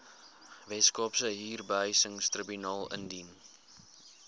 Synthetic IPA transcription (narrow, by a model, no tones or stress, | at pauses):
vɛtskɔpsəɦiːrbəɦœɥsəŋstrəbynɑːlˠə̰ndin